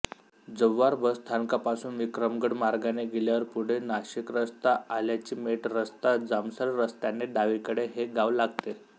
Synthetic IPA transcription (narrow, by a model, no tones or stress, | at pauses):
d͡zəʋːaɾbəst̪ʰaŋkapasuːnʋikɾəmɡəɽmaɾɡaneɡeljaʋəɾpuɽ̤enaɕikɾəst̪aaljat͡ɕiːmeʈɾəst̪ad͡zamsəlɾəst̪aneɖaʋikəɽeɦeɡaʋlaɡ̚t̪e